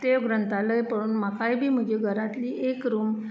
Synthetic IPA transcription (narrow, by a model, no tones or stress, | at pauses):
ʈ̪eoɡɾənt̪aləjpəɽuːnmakajbʱiːm̤əd͡ʑeɡʱəɾat̪liːʔekɾuːm